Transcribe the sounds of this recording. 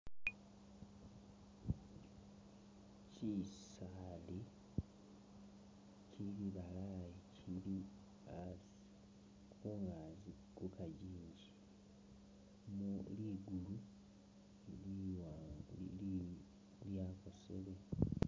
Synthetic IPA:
cisali | ciliβalajicʰili | a | kʰuːŋɡaːzi | kukaɟiːɲɟi | muliɡulu | liwa | ljaːko̞sḛle

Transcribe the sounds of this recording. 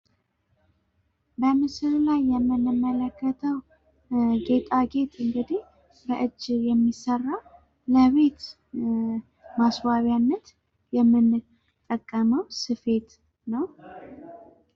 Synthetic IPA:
bəmɨsɨɾlajːɛmːɨnːɨmːələkʰːət̪ʰəw | ɡe̞t̪ʼaɡe̞t̪ʼɨŋɡɨd̪ih | bəʔɨd͡ʒːjɛmːisərːa | ləβe̞t̪ | maswaβjanːət̪ | jɛmːɨn | t̪ʼːəkʼːəməwsɨfe̞t̪ | nəw

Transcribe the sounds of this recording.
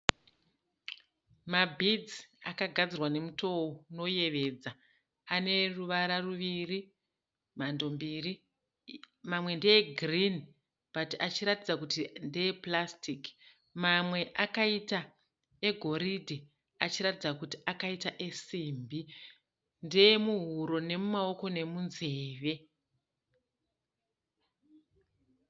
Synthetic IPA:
mabʱid͡ziakaɡʱad͡zirwane̞muto̞ono̞je̞ʋe̞ːd͡za | ane̞ruʋaɾaruʋiri | mando̞mbiri | mamwe̞ndejeɡrin | b̥ʱatiʔat͡ʃiɾatid͡zakutindejeplastik | mamwe̞ʔakaita | e̞ɡʱo̞ɾidʱi | at͡ʃiɾatid͡zakutiakaitaʔe̞siːmbi | ndejemuɦuɾo̞ne̞mumao̞ko̞ne̞munze̞ːʋe̞

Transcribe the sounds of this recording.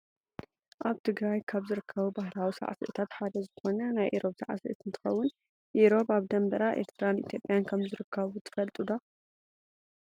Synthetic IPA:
ʔaβt̪ʰɨɡɾajkʰaβzɨɾɨkʰːɐβubahlawisa̰ʕa̰sɨ̰ʔɨ̰t̪ʰat̪ħad̪ɐzɨxo̞nɐnajʔiɾo̞bsa̰ʕa̰sɨ̰ʔɨt̪ɨnt̪ʰɨ̥xɐwːʊn | ʔiɾo̞baβd̪ɐmbɐɾaʔe̞̰ɾt̪ʰɾanit̪jo̞pʼjankʰɐmzɨɾɨkʰːɐβut̪ʰɨ̥fɐlt̪ʼud̪a

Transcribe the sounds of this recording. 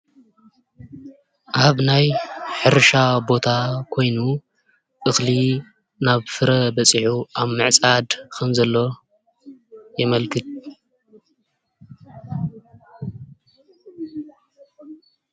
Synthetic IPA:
ʔaβnajħɨɾʃabo̞t̪ʰakʰo̞jnu | ʔʼɨxli | naβfɨɾɐbɐt͡sʼiħuʔaβmɨʕt͡sʼad̪kʰɐmzɐlːo̞ | jɛmɐlkʰɨt̪̚

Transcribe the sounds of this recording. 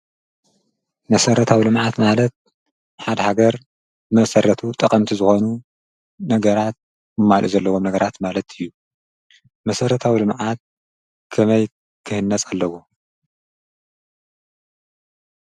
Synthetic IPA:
mɐsɐɾɐt̪ʰawilɨmʕat̪malɐt̪̚ | ħad̪ɐhaɡɐɾ | mɐsɐɾɐt̪ʰut̪ʼɐkʼɐmt̪ʰizɨxo̞nu | nɐɡɐɾat̪̚ | mɨmalʔṵzɐlːɐwomnɐɡɐɾat̪malɐt̪ʰɨjːu | mɐsɐɾɐt̪ʰawilɨmʕat̪̚ | kʰɐmɐj | kʰɨhɨnːɐt͡sʼalːɐwo

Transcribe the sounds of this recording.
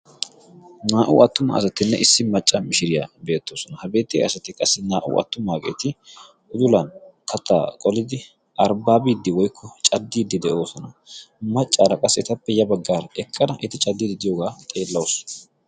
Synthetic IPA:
naːʔʊ̰ɐt̪ːʊmɐ̰ːsɐt̪ːɪnːɛʔɪsːɪmɐt͡ʃʼːɐmɪʃɪɾɪjabe̞ːt̪ːoːsɔnɐhɐbe̞ːt̪ːɪ̰ɐsɐt̪ːɪkʼɐsːɪnaːʔʊ̰ʔɐ̰t̪ːʊmaːkʼe̞̰ːt̪ɪ | ʔʊd̪ʊlɐnkʰɐt̪ːa̰ːkʼɔlɪd̪ɪ | ʔɐɾbaːbiːd̪ːɪwɔjkʰːɔt͡ʃʼɐd̪ːiːd̪ːɪd̪ɛʔo̞ːsɔnɐmɐt͡ʃʼːaːɾɐkʼɐsːɛt̪ɐpːɛjɐbɐɡːaːɾɛkʼːɐd̪ɐʔɪt̪ɪt͡ʃʼɐd̪ːid̪ɪd̪ɪjoːɡaːt̪ʼe̞ːlːɐwosɔ̥

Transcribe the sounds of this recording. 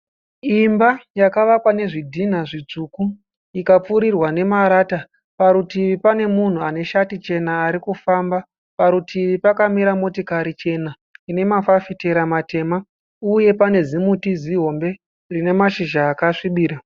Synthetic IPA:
imbajakaʋakwane̞ʐidʱin̤aʐid͡zuːku | ikap͡fuɾirwane̞maɾata | paɾutiʋipane̞mun̤uane̞ʃatit͡ʃe̞naːɾikufamba | paɾutʰiʋipakamiɾamo̞tikaɾit͡ʃe̞na | ine̞mafafite̞ɾamate̞ma | uje̞pane̞zimutiziɦo̞mbe̞ | rine̞maʃiʒaːkaʂiɓiːɾa

